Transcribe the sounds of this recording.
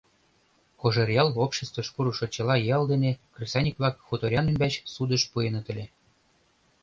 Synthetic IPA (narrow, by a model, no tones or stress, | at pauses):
xoʒɤrʲjɑlˠopɕĕst̪vɤ̆ʃpuɾuʃŏt͡ɕɤ̆lɑjɑld̪enʲekrʲisʲɑnʲikvlɑkxut̪oɾʲjɑnemʲbʲæt͡ɕsud̪ɤ̆ʃpujɤ̆nɤ̆t̪ɘ̆lʲe